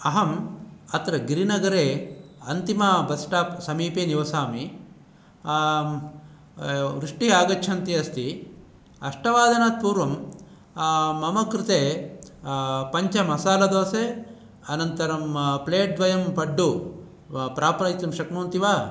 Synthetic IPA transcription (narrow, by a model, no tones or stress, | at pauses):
ɐɦɐmɐt̪ɾɐɡiɾinɐɡɐɾeːɐnt̪imɐbɐsʈaːpsɐmiːpeːniʋɐsaːmi | ʋɾuʂʈiaːɡɐt͡ʃʰɐnt̪iɐst̪i | ɐʂʈɐʋaːd̪ʱɐnaːt̪̚puːɾʋɐm | mɐmɐkɾit̪eː | pɐɲt͡ʃɐmɐsaːlɐd̪oːseː | ɐnɐnt̪ɐɾɐmpleːʈ̚d̪ʋɐjɐmpɐɖːu | pɾaːpɾɐjt̪ɐmʃɐknoːnt̪iʋaː